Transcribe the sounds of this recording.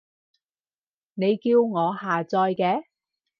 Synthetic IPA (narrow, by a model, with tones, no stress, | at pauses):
ne˨˧jkiː˧wŋɔː˨˧ɦaː˨t͡sɔː˧jkɛː˧